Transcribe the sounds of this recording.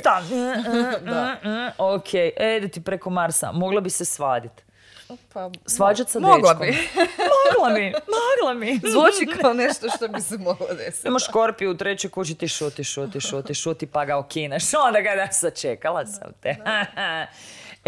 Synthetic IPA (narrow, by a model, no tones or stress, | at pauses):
t̪a | d̩ | okʰejʔed̪et̪ipɾekomaɾsa̰moɡlˠabisesʋaːd̪it̪ | psʋaːd͡ʒat̪sadoelakimoɡlˠammimoɡlamizʋot͡ʃikaaoneʃt̪oʃt̪obisɛmoɡlad̪esimaʃko̞ɾpiut̪ɾet͡ɕojkot͡ʃit̪iʃot̪iʃot̪iʃot̪iʃot̪ipaɡaokinaʃond̪aɡad̪asat͡ʃekalˠasa̰mt̪e